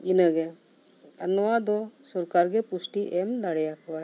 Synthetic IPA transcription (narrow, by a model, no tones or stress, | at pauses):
inəɡe | ɐnʋad̪osuɾkaɾɡepusʈiʔemd̪aɽjakʰʋa